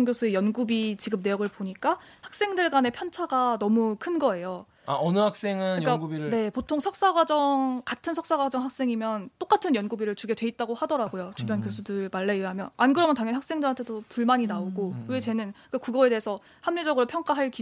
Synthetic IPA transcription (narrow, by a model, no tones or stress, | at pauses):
ŋɡjosʰue̞jʌnɡubit͡ɕiɡɯmne̞jʌɡɯɭpoɲik͈a | hak̚s͈e̞ŋdɯɭɡane̞pʰjʌnt͡ɕʰaɡanʌmukʰɯnɡʌe̞jo | a̰ʌnɯhak̚s͈e̞ŋɯnijkaɡubiɾne̞potʰoŋsʰʌk̚s͈aɡwad͡ʑʌŋkatʰɯnsʰʌk̚s͈aɡwad͡ʑʌŋɦak̚s͈e̞ŋimjʌnt͈ok͈atʰɯnjʌnɡubiɾɯɭt͡ɕuɡe̞dwe̞it̚t͈aɡohadʌɾaɡojot͡ɕubjʌnkjosʰudɯɭmaɭːeɯɦamjʌnanɡɯɾʌmjʌntaŋjʌniɦak̚s͈e̞ŋdɯɾɦantʰe̞dopuɭmaɲinaoɡowet͡ɕe̞nɯnik͈akuɡʌe̞deesʰʌ | hamɲid͡ʑʌɡɯɾopʰjʌŋk͈aɦaɭki